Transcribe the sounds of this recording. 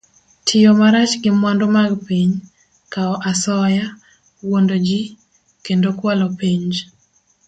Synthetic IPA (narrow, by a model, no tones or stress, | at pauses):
tʰɪjomaɾat͡ʃɡɪmwandomaɡpiɲ | kaɔʔasɔja | wondod͡ʒi | kendokwalɔpiɲd͡ʒ